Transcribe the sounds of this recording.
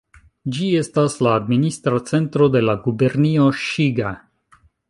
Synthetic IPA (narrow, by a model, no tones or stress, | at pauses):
d͡ʒie̞staslaːdministɾat͡se̞ntɾo̞de̞laɡube̞ɾnio̞ʃiɡa